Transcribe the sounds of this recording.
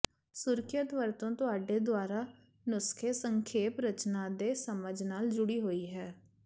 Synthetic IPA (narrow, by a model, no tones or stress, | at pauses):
sʊɾkʰjət̪ʋəɾt̪õːt̪ʊaːɖeːd̪ʊaːɾaː | nʊskʰeːsəŋkʰeːpɾət͡ʃnaːd̪eːsəməd͡ʒnaːld͡ʒʊɽiːɦoːiːɦɛː